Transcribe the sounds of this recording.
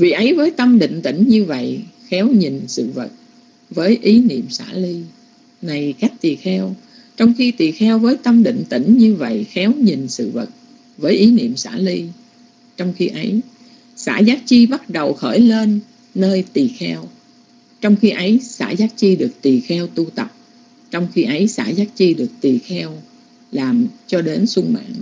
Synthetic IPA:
vḭ˧˨ʔə˨˦jvəː˨˦jt̪ə˧mɗḭ̈˧˨ŋ̟t̪ï˧˩ŋ̟ɲɨ˧və̰˧˨jxɛ˨˦wɲi˨˩nsɨ̰˧˨və˨˩t̚ | vəː˨˦jʔi˨˦nḭ˧˨əmsa̰ː˧˥li˧ | na˨˩jka˦˥jk̟̚t̪i˨˩xɛ˧w | t͡ɕɔ˧wŋ͡mxi˧t̪i˨˩xɛ˧wvəː˨˦jt̪ə˧mɗḭ̈˧˨ŋ̟t̪ḭ˧˩ŋ̟ɲɨ˧və̰˧˨jxɛ˨˦wɲi˨˩nsɨ̰˧˨və˨˩t̚ | vəː˨˦jʔi˨˦nḭ˧˨əmsa̰ː˧˥li˧ | t͡ɕɔ˧wŋ͡mxi˧ʔə˨˦j | sa̰ː˧˥zaː˦˥k̚t͡ɕi˧ɓa˦˥t̚ɗə˨˩wxəː˧˩jle˧nː | əː˧jt̪i˨˩xɛ˧w | t͡ɕɔ˧wŋ͡mxi˧ʔə˨˦jsa̰ː˧˥zaː˦˥t̚t͡ɕi˧ɗɨ˨˩ək̚t̪i˨˩xɛ˧wt̪u˧t̪ə˨˩p̚ | t͡ɕɔ˧wŋ͡mxi˧ʔə˨˦jsa̰ː˧˥zaː˦˥t̚t͡ɕi˧ɗɨ˨˩ək̚t̪i˨˩xɛ˧w | laː˨˩mt͡ɕɔ˧ɗe˨˦nsʊ˧ŋma̰ː˧˨n

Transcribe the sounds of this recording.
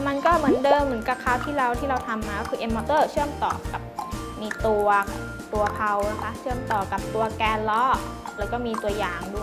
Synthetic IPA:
ma˧nkɔː˥˩mɯ˩˦ndɤː˧mːɯ˩˦nka˧kʰaː˧˩wt̪ʰiː˥˩ɾa˧wt̪ʰiː˥˩ɾa˧wt̪ʰa˧mːaː˧kɔː˥˩ɯː˧ʔe˧mːɔː˧t̪ɤː˥˩t͡ɕʰɯ˥˩əmt̪ɔ̰ː˨˩ka˨˩p̚ | miː˧t̪u˧ɐ | t̪u˧ɐpʰa˧wna˦˥kʰa˦˥t͡ɕʰɯ˥˩əmt̪ɔː˨˩ka˨˩p̚t̪u˧ɐkɛː˧nlɔː˦˥lɛː˨˦wkɔː˥˩miː˧t̪u˧ɐjaː˨˩ŋdu˥˩ə˩j

